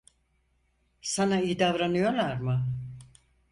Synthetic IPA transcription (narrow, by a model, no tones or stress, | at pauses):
sanaijid̪avɾanɯjolˠaɾmɯ